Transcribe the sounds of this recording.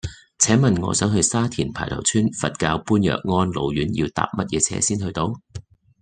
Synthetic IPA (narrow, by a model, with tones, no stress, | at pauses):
t͡sʰɛː˨˥ŋmɐ˨nŋɔ̰ː˨˧sœː˨˥ŋɦɵ˧ɥsaː˥t̪ʰiː˨˩npʰaː˨˩jt̪ʰɐ̰˨˩wt͡sʰyː˥nfɐ˨t̚kaː˧wpuː˥njœ̰ː˨k̚ŋɔː˥nlo˨˧wjyː˨˥njḭ˧wt̪a̰ː˨p̚mɐ˥t̚jɛː˨˧t͡sʰɛ̰ː˨˧˥siː˥nhɵ˧ɥt̪o˧w